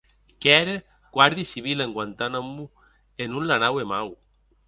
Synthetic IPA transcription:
kɛɾe | kwaɾðjisiβileŋɡwant̪anamːu | enunlanawemaw

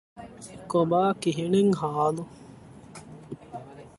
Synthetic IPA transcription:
kobaːkiɦineŋɦaːlu

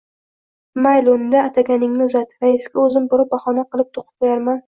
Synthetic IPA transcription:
majlˠond̪aːt̪ʰaɡʲanɪŋnɪzat̪ɾaɪsɡʲaɵzɪmbʊɾɪp̚baχɒnaqɨlˠɪp̚t̪ʰoqʰɨ̥p̚qojaɾman

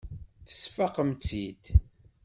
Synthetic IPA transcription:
θə̥sfaqəmt͡sid̪

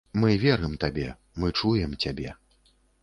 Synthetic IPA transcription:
mɨvʲɛɾɨmt̪abʲɛ | mɨt͡ʂujɛmt͡sʲabʲɛ

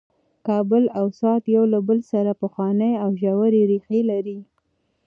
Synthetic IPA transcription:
kɑbəlawsɑt̪jawlabəlsaɾapəxwɑnəjawʒawaɾeɾixelaɾi

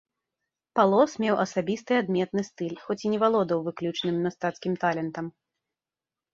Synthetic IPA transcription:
palˠɔsmʲɛwʔɐsabʲist̪ɨad̪mʲɛt̪nɨst̪ɨlʲxɔt͡sʲinʲɛvalˠɔd̪ɐwvɨklʲut͡ʂnɨmnʲast̪at̪skʲimt̪alʲɛnt̪ɐm

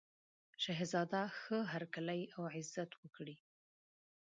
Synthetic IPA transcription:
ʃaɦizɑd̪axəɦaɾkaləjawʕɪzːat̪wəkɽi

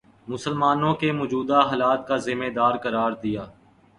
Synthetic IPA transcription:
mʊsəlmaːnõkemʊːd͡ʒuːd̪aɦaːlaːt̪̚kazɪmeːd̪aːɾkɐɾaːɾd̪ijaː

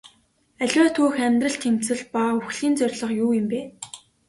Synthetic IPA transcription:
æɮʲwæːt̪ʰuːxæmʲt̪rə̆ɬt̪ʰem̥t͡sɘ̆ɮpauxɮ̥iːnt͡sœrʲɮə̆χjuːɪ̆mpeː

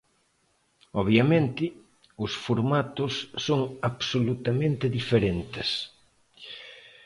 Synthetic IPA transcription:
ɔβjamẽnt̪ɪ | ʊsfoɾmat̪ʊsːoŋaβsolut̪amẽnt̪ɪðifeɾent̪ɪs

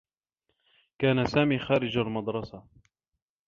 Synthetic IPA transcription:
kaːnasaːmiːxaːɾɪd͡ʒalmɑd̪ɾˤɑsa

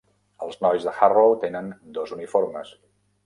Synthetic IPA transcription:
əlˠznɔjzðəxarowt̪enənd̪ɔzunifoɾməs

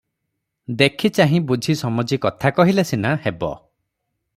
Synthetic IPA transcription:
d̪ekʰit͡ʃaɦĩbud͡ʒʱisɔmɔd͡ʒikɔt̪ʰakɔɦilesinahebɔ̰

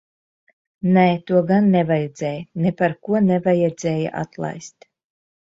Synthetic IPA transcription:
nɛt̪uɔɡanːɛvajɛd̪zɛːjnɛpaɾkuɔnɛvajɛd̪z̥ʲɛːja̰ʔa̰t̪lˠa̰jst̪

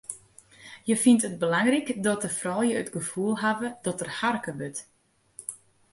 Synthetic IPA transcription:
jəfintət̚bəlaŋrikdɔtəfrɔlˠjəətɡəv̥uəlˠɦavədɔtərharkəʋøt

